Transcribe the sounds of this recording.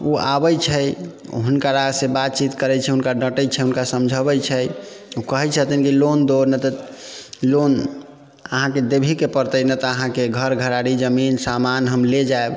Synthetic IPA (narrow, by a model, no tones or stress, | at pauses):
uabəjt͡ʃʰɛ | ɦunkaɾaɡsẽbat̪̚t͡ʃit̪kəɾɛt͡ʃʰɛɦunkaɖəʈət͡ʃʰɛɦunkasəmd͡ʒʱəbɛt͡ʃʰɛukəɦɛt͡ʃʰət̪inkilond̪oɾnət̪ɔ | lon | əɦãked̪ebʱikepəɾt̪ənət̪ɔəɦãkeɡʱəɾɡʱəɾaɽid͡ʒəminsamanɦəmled͡ʒaeb